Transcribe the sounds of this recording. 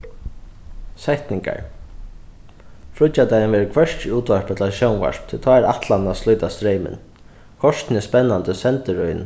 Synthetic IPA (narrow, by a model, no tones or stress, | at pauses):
sɛht̪nɪŋka̰ɹ | fɾʊt͡ʃːat̪ajənʋɛːɹəkʰʋɛʂt͡ʃɪuːt̪ʋaɹpat̪ʰlaʃownʋa̰ʂpt̪ʰɪlt̪ʰɔːɛɾa̰t̪lanaslʊjt̪ast̪ɾɛjmɪ̰n | kʰɔʂt̪nɪspɛnːant̪əsɛnt̪əɹœjn